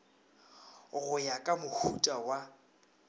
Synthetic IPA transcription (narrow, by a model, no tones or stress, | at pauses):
ɣʊjakʼamʊhutʼawa